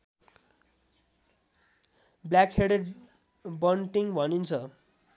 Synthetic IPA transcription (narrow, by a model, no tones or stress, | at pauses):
blakɦeɽeɖ | bʌnʈiŋbʱʌnint͡sʰʌ